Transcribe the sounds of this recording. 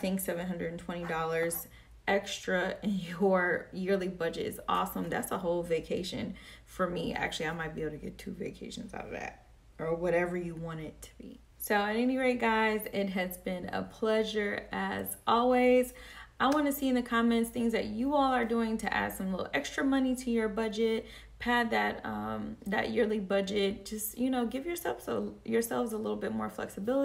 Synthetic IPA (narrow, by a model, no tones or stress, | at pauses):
θɪ̃ŋksɛvɨ̃nɦʌ̃ndɹɨdⁿn̩tʰw̥ɛ̃ɾ̃idɔlˠə˞z | ɛkstɹ̥əɪ̃njə˞jɪɹlˠibʌd͡ʒɨ̰ɾɨ̰zɔ̰sə̃mðætsəɦoʊlˠveɪkʰeɪʃɨ̰̃nfə˞miæ̰k̚t͡ʃʉl̩ˠiaɪmaɪt̚b̥ieb̩ˠtʰɨɡɛ̰tʰʉvḛɪkʰeɪʃɨ̃n̩za̰ʊɾʌ̰vðæ̰t̚ | ə˞wʌɾɛvə˞jɨwɑ̃ɾ̃ɪd̚tʰə̥b̥ḭ | soʊɨɾɛniɹeɪt̚ɡ̥aɪzɪt̚ɦɨzbɪ̃nə̰pʰl̥ɛʒə˞ɨzɔlˠwizʔaɪwɑ̃nɨsiɨ̃nðɨkʰɑmɛ̃ntsθɪ̃ŋzðɨ̰t͡ʃɨɔlˠə˞duɪ̃ŋtʰɨ̰ʔæ̰d̥sʌ̃mlɪɾl̩ˠʔɛkstɹ̥ɨmʌniɾɨjə˞bʌd͡ʒɪt̚ | pʰæd̪̚ðɨt̪̚ʌ̃mðɨ̰ʔjɪɹlˠibʌd͡ʒɪt̚d̥ʒ̥ʌstjɨnoʊɡɪvjə˞sɛlˠvzəjə˞sɛlˠvzəlɪɾl̩ˠbɪt̚mɔ̰ɹflɛ̰ksɨbɪlˠə